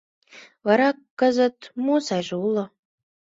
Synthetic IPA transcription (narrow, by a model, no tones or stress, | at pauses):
βɑɾɑkːəzə̆t̪mosɑʒeulo